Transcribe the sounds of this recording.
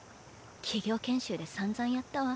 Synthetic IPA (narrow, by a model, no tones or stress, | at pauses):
kʲʰiɡʲo̞ːkẽ̞ɰ̃ɕɨːd̪esãnd͡zãɰ̃jat̪ːaβa